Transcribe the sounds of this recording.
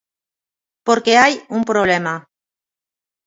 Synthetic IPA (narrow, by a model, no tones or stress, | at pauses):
poɾkeajumpɾoβ̞lema